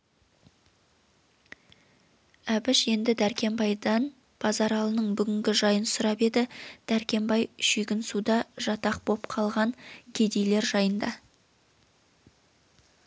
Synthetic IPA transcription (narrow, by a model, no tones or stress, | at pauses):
æbɪʃe̞nd̪ɪd̪æɾkʲe̞mbɑjd̪ɑn | pʰɑzɑɾɑlˠənəɴbʏɡʲɪŋɡʲɪʒɑjənsʊɾɑpe̞d̪ɪd̪̥æɾkʲe̞mbɑjʃiɡʲɪnsud̪ɑʒɑt̪ɑq̚b̥o̞pqʰɑlˠʁɑɴɡʲe̞d̪e̞jle̞ɾʒɑjənd̪ɑ